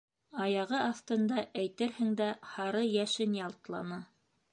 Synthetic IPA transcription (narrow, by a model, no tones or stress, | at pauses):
ɑjɑʁɤɑθt̪ɤ̆nd̪ɑʔæjt̪ɘɾhɘ̆ŋd̪æhɑɾɤjæʃɘnjɑlˠt̪lˠɑ̰nɤ